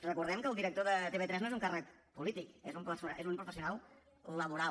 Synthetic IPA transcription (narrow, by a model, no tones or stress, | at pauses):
rəkuɾðɛmkəːlˠd̪iɾəkt̪oðət̪eβet̪ɾɛznoezuŋkarək | pulit̪ikezumpəsuaezumpɾufəsiunalˠ | ləβuɾa